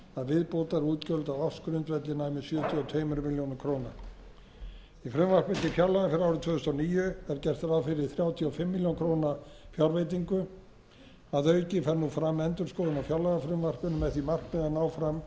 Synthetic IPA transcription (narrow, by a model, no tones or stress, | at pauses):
aðvɪðpowt̪aɾuːt̪cœlt̪awɔfskɾʏnt̪vɛt̪lɪnaːjmɪsjœːt̪ʰjiɔt̪ʰeːjmɾʏmɪljownaɾkʰɾowna | ifɾʏmvar̥kmɪnt̪ɪfjawlaɣafɪɾɪɾaːwɾɪt̪ʰvœːðʏst̪ɔniːjʏɛɾcɛr̥t̪ɾawfɪɾɪ̥θɾjawt̪ʰiɔfɪmːiljawnkʰɾownafjawɾvejt̪̬iŋkʏ | aðœɥcɪfɛɾnufɾamːɛnt̪ʏɾskoːðɪnawfjawlaɣafɾʏmvar̥pʏnʏmɛðθimar̥knɛðanaːwfɾam